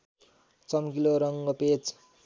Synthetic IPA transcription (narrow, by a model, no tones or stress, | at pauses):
t͡sʌmkiloɾʌŋɡʌpet͡s